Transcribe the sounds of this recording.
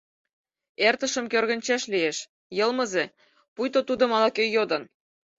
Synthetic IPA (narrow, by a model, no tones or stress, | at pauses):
ert̪ə̆ʃə̆mkørɣə̆nʲt͡ɕæʃlijeʃ | jɤ̆lˠmɤ̆ze | pujt̪ot̪ud̪ŏmɑlɑkøjːod̪ɤ̆n